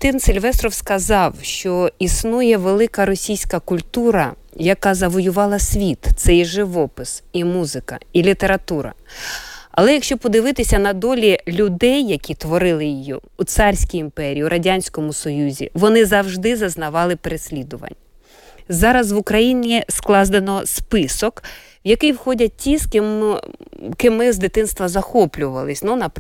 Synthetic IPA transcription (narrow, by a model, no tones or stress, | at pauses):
t̪ɪnsʲilʲʋɛst̪ɾɔwskɐzɑwʃt͡ʃɔisnujɛʋelˠɪkɐɾɔsʲijsʲkɐkʊlʲt̪uɾɐ | jɐkɑzɐʋɔjʊʋɑlˠɐsʲʋʲit̪t̪sɛjʒɪʋɔpɪsimuzɪkɐ̰ilʲit̪e̞ɾɐt̪uɾɐ̰ | ɐ̰lˠɛjɐkʃt͡ʃɔpɔd̪ɪʋɪt̪ɪsʲɐnɐd̪ɔlʲilʲʊd̪ɛjːɐkʲit̪ʋɔɾɪlˠɪjijiːt̪sɑrʲsʲkijimpɛɾʲijiuɾʔɐdʲanʲsʲkɔmʊsɔjuzʲḭʋɔnɪzɐwʒd̪ɪzɐznɐʋɑlˠɪpeɾesʲlʲid̪ʊʋɐ̰nʲ | zɑɾɐzʋʊkɾɐjinʲisklˠɑzd̪enɔspɪsɔk | wjɐkɪjwxɔdʲɐtʲis | kɪmɪzd̪ɪt̪ɪnst̪ʋɐzɐxɔplʲʊʋɐlˠɪsʲnunɐp